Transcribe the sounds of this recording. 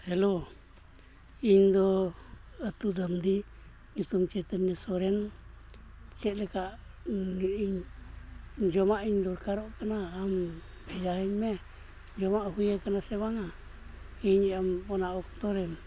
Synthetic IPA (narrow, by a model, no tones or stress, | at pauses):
helo | iɲd̪o | at̪ud̪amd̪i | ɲit̪umt͡ʃet̪əɲisoɾen | t͡ʃeleka | iɲ | nd͡ʒomãʔiɲd̪oɾkaɾokanaam | bejaiɲme | nd͡ʒomaʔhʷwiakanaseβaŋa | iɲambonãoknd̪oɾem